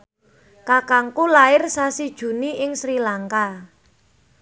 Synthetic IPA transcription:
kakaŋkulaɪrsasid̥ʒ̥ṳniʔɪŋsɾilaŋka

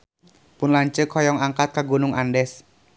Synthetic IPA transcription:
pʊnlaɲt͡ʃəkʰɔjɔŋaŋkat̪̚kaɡunʊŋandɛs

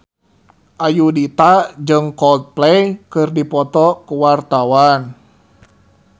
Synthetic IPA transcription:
ʔajudit̪ad͡ʒɨŋkɔlt̪̚plɛjkɨrdipɔt̪ɔkuwart̪awan

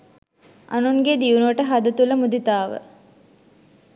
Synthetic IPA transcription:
ʔa̰nuŋɡed̪iunuʋəʈəɦad̪ɐt̪uləmud̪it̪aːʋə̰

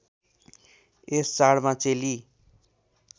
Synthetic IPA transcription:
est͡saɽmãt͡seli

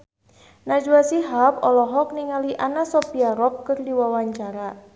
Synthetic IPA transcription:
nad͡ʒuasiɦap̚ɔlɔɦɔk̚niŋaliʔanasɔpiaɾɔp̚kərdiwawaɲt͡ʃaɾa

